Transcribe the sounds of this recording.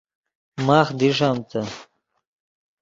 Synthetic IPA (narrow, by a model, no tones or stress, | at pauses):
maːxd̪iʂ̬aːmt͡s̪ɐ